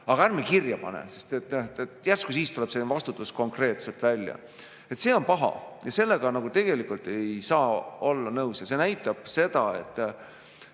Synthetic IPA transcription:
ɑɡ̥ɑærmekirjɑpɑ̰nḛse̞st̪et̪ːeet̪jærstkus̬iːst̪ule̞b̥sevɑst̪ut̪ːˑusko̞ŋkre̞ːt̪se̞lt̪vælʲjɑ̰ | e̞t̪seːo̞npɑɦɑ̰jɑse̞lːe̞ɡ̥ɑnɑɡ̥ut̪e̞ɡ̥e̞likult̪e̞jsɑːo̞lːɑnɤwsjɑse̞ːnæjt̪ːˑɑb̥se̞d̪̥ɑe̞̰t̪ˑː

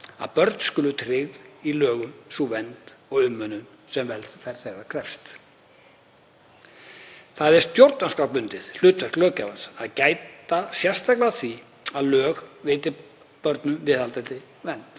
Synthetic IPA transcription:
a̰ðpœɾt̪n̥skʏːlʏt̪ʰɾɪɣðilœːɣʏmsuvɛnt̪ɔɣʏmːœnʏn | sɛmvɛlt̪θɛɾ̥θɛːɣakʰɾɛfst̪ | θaðɛɾ̥st̪t̪jowɾt̪nanskawpʏnt̪ɪðl̥ʏːt̪vɛsk̪lœːcavansaðcaːjt̪asjɛr̥st̪ajklɪaθvi | aðlœːɣvɪːt̪ɪ | pœɾt̪nʏmvɪðalt̪ɛɾt̪ɪ | vɛnt̪

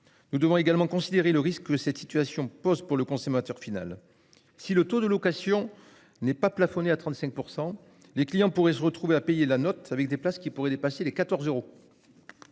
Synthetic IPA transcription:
nud̪əvɔ̃eɡalmɑ̃kɔ̃sid̪eʁeləʁiskːəsɛt̪sit̪ɥasjɔ̃pɔzpuʁləkɔ̃somat̪œʁfina̰l | silət̪od̪əlɔkasjɔ̃ | nɛpaplafɔneat̪χɑ̃t̪sɛ̃k̚puʁsɑ̃ | leklijɑ̃puʁɛsəʁət̪χuveapejelanɔt̪avɛk̚d̪eplaskʲipuʁɛd̪epaselekat̪ɔʁzøʁo

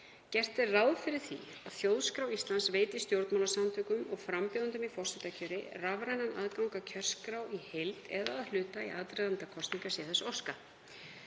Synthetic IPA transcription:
cɛr̥t̪ɪraːwðfɪɾɪɾ̥θḭ | aðθjowðskɾawist̪lansveːjt̪ist̪jowɾt̪mawlasant̪ʰœːkʏmɔɣfɾampːðant̪ʏmifɔrsɪt̪acʰœɾɪ̰ravɾajnanʔa̰ðkawŋkacʰœr̥skɾawihejlt̪ɛðaðalʏːt̪aḭʔa̰ðt̪ɾɛðant̪akʰɔst̪niŋkasjɛːθɛsow̥ska

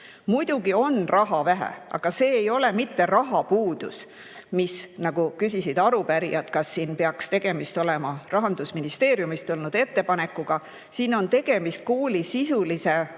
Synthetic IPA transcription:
mujd̪̥uɡ̥io̞nrʔɑɦɑvæɦæ̰ʔɑ̰ɡ̥ɑse̞ːjo̞le̞mit̪ːe̞ɾɑɦɑpuːd̪̥ṵs | misnɑɡ̥ukysisid̪̥ɑɾupæɾḭɑd̪̥kɑsːiːnpeɑkst̪e̞ɡ̥e̞mist̪o̞le̞mɑrɑɦɑnd̪̥usminist̪e̞ːɾjumist̪ulnud̪̥e̞t̪ːe̞pɑne̞kːˑuɡ̥ɑ | siːno̞nt̪e̞ɡ̥e̞mist̪̚kuːlisisulise̞

